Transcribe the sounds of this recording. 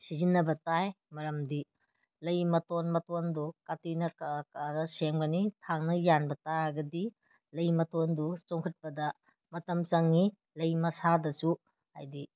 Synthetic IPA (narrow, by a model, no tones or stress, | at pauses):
sizinːɐbɐtaj | mɐɾɐmdi | lɐjmɐtonmɐtondukatinɐkkaɾɐsemɡɐnitʰaŋnɐjanbɐtaɡɐdi | lɐjmɐtondut͡ʃoŋkʰɐt̚pɐdɐ | mɐtɐmt͡ʃɐŋːi | lɐjmɐsadɐsu | ha̰jdi